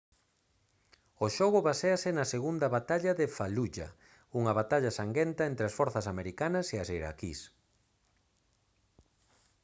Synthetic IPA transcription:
oʃɔɣ̞ʊβaseasɪnɐseɣund̪ɐβat̪aʎɐðefaluʎɐ̰ | uŋɐβat̪aʎɐsaŋɡent̪ɐent̪ɾeasfɔɾθɐsameɾikanɐseaseɾa̰kḭs

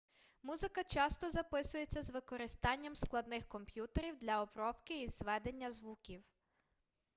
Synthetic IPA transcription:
muzɪkɐt͡ʃɑst̪ɔzɐpɪsʊjet͡sʲːɐzʋɪkɔɾɪst̪ɑnʲːɐmsklˠɐd̪nɪxkɔmpjut̪eɾʲiwd̪lʲɐɔbɾɔpkɪizʋɛd̪e̞nʲːɐzʋukʲiw

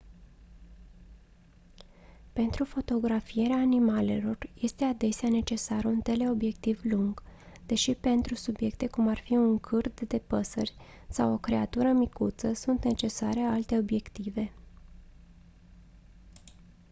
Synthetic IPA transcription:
pe̞nt̪ɾufo̞t̪o̞ɡɾafije̞ɾeaːnimale̞̰lo̞rje̞st̪e̞ad̪e̞seane̞t͡ʃe̞sarunt̪e̞le̞o̞bje̞k̚t̪ivluŋɡ̥ | d̪e̞ʃipe̞nt̪ɾusubje̞kt̪e̞kumarfiuŋkʰɨrd̪d̪e̞pəsərʲ | sawo̞kɾe̞at̪uɾəmikut̪səsunt̪ne̞t͡ʃe̞sa̰ɾealt̪e̞o̞bje̞kt̪ive̞

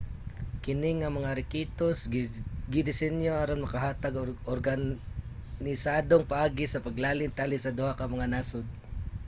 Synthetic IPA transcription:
kɪnɪŋːɐmɐŋaɾɪkiːt̪osɡɪd̪ɪsɛnjoaɾonmɐkɐɦaːt̪aɡʔoɾɡan | nɪsaːd̪oŋpɐʔaːɡɪsɐpɐɡlaːlɪŋt̪alɪsɐd̪ʊhakɐmɐŋanaːsʊd̪̚

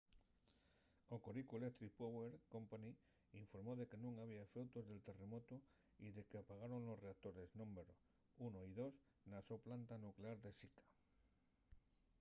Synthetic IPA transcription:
okoɾikuelekt̪ɾipoβeɾkompani | iɱfoɾmoðe̞kenũŋaβ̞iaefewt̪ozðe̞lt̪e̞re̞mot̪o | iðekeapaɣ̞aɾonlosreak̚t̪oɾeznõmbeɾo | unoiðos | nasowplant̪anukleaɾðesikḁ

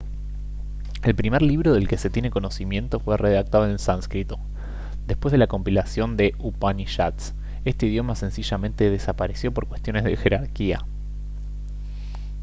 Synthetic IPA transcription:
e̞lpɾimeɾliβɾo̞ðe̞lke̞se̞t̪jeneko̞no̞simjẽ̞nt̪o̞fwe̞reðak̚t̪aðoelsanskɾit̪o̞ | d̪e̞hpwezðelako̞mpilasjo̞nd̪e̞upaniʃat̪s | e̞st̪eið̞jo̞mase̞nsiʒamẽnt̪e̞ð̞esapaɾe̞sjo̞po̞ɾkwe̞st̪jo̞ne̞zðe̞xe̞ɾaɾkia̰

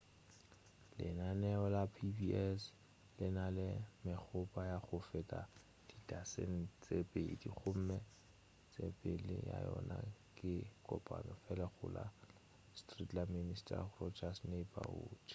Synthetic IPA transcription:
lɪnanɛɔlapʰibiɛs | lɪnalɪmɪk͡xʰʊpʼajaχʊfɛtʼa | d̥itʼasen̩t͡sʼepʼeidiχʰʊm̩mɛ | t͡sʼepʼɪlɪja̰jɔnakʼɪkʼɔpʼanɔfɛlɛχʊla | stritʼlaministʰʼarɔt͡ʃasnepʼauːt͡ʃ

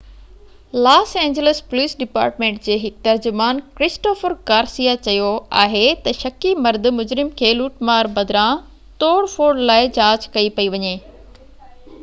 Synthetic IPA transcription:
laːsɛ̃ːɲd͡ʑeləspoliːsɖɪpa̰ːɾʈmẽːɳʈd͡ʑeːɦɪk̚t̪ɐɾd͡ʑʊmaːnkɾɪsʈoːfəɾkaːɾsijat͡ɕɐjoaːɦet̪ɐʃɐkimɐɾd̪mʊd͡ʑɾɪmkʰeːluːʈmaːɾbɐd̪ʱɾã | t̪oːɽfoːɽlaːɪd͡ʑaːd͡ʑkɐipɐiʋɐɲeː

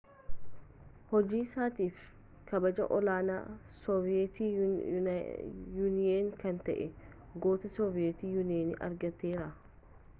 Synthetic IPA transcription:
hɔd͡ʒiːsaːt̪iːf | kɐbɐd͡ʒɐ̰ʔɔlaːna̰ː | sɔvɪet̪i | juːnɪjeːnkɐnt̪ɐʔɛ | ɡoːt̪ɐsɔvɪet̪iːjunɪeːnɪ̰ʔɐ̰ɾɡɐt̪ːe̞ːɾɐ

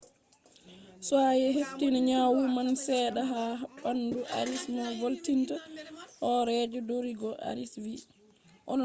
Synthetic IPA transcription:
swajɛɦeftinaɲawumansɛːɗaɦaɓanduʔa̰ɾismavoltintahɔɾɛd͡ʒɔdoɾiɡɔʔa̰ɾiswi | ʔɔ̰n

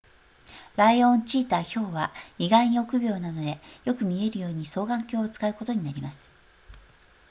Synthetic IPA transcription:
ɾaiõ̞ɲt͡ɕiːt̪aço̞ːβaiɡaiɲ̟io̞kɯ̟bʲo̞ːnad̪o̞d̪e̞jo̞kɯ̟mʲie̞ɾɯ̟jo̞ːɲ̟iso̞ːɡãŋkʲo̞ːt͡sɨ̥kaɯ̟ko̞t̪o̞ɲ̟inaɾʲimasɨ̥

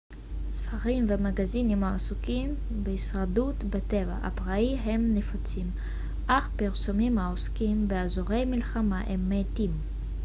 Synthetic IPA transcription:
sfaʁimvemaɡazinimaasukim | behisʁadutbeteva̰ʔa̰pʁaiɦemnefot͡sim | ʔaχpiʁsomimaoskimbeazoʁejmilχamaʔemːetim

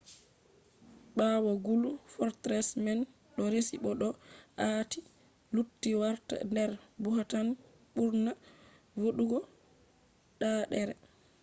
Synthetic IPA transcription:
ɓawɔɡulufɔɾtɾɛsmɛn | ɗɔɾesiɓɔɗɔati | lutːiwaɾta̰ndɛɾbuɦatan | ɓuɾna | woɗuɡɔ | ɗaɗɛɾɛ

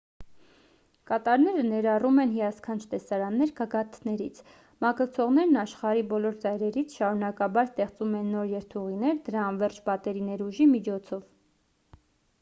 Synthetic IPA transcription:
kɑt̪ɑɾnɛɾənɛɾɑrumɛnɦijɑskʰɑnt͡ʃʰt̪ɛsɑɾɑnːɛɾkɑɡɑt̪ʰnɛɾit͡sʰ | mɑkəɾt͡sʰɔʁnɛɾnɑʃχɑɾibɔlɔɾd͡zɑjɾɛɾit͡sʰʃɑɾunɑkɑbɑɾst̪ɛχt͡sumɛnːɔɾjɛɾt̪ʰuʁinɛɾd̪əɾɑːnvɛrt͡ʃʰbɑt̪ɛɾinɛɾuʒimit͡ʃʰɔt͡sʰɔv

